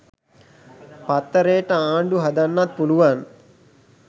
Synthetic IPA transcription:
pɐt̪ːɐɾeːʈɐaːɳɖuɦɐd̪ɐnːat̪̚puluʋaːn

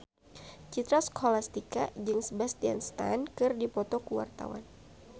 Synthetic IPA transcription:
t͡ʃit̪ɾaskʰolast̪ikad͡ʒɨŋsbast̪ia̰nst̪a̰nkɨrdipɔt̪ɔkuwa̰rt̪a̰wa̰n

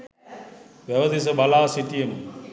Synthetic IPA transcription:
ʋɛʋɐd̪is̬ɐbɐlaːsiʈijɐm

